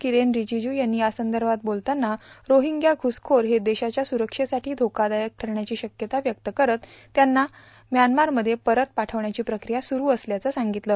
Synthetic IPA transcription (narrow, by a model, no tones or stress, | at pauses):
kiɾenɾid͡ʑid͡ʑuːjanːiːasənd̪əɾbʱat̪̚bolt̪anːaɾoɦiŋɡjaɡʱuskʰoɾɦed̪eɕat͡ɕjasuɾəkʂesaʈʰiːd̪ʱokad̪ajək̚ʈʰəɾɳjat͡ɕiːɕəkjət̪aʋjəkt̪əkəɾət̪ː | janːa | mjanmaɾməd̪ʱːjepəɾət̪̚paʈʰəʋɳjat͡ɕiːpɾəkɾijasuɾuːəsljat͡səsaŋɡit̪ləː